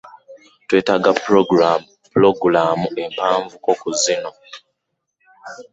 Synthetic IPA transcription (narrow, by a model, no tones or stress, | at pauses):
tweːtaɡapɾ | ploɡulaːmue̞mpaːɱvuko̞kuzino̞